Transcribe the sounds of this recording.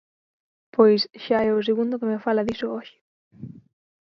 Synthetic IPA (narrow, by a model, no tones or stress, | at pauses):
pʰojsʃaɛʊs̬eɣũnd̪ʊkemefalaðisʊoʃɪ̥